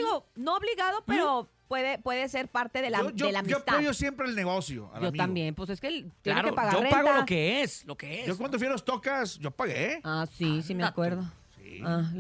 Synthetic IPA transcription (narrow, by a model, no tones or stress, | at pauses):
iɣono̞oβliɣaðopeɾo | pwe̞ðepwe̞ðese̞ɾpaɾt̪eðelaod͡ʒoelamiop̪t̪aojosjempɾeːlneɣo̞sjo̰a̰d͡ʒo̞mt̪ambje̞nposesket̪jeeɾkepaɣaoreaɣoalokeeslokeesokwand̪ofwialost̪okasɟ͡ʝopaɣḛasisimeakweɾðo | sḭa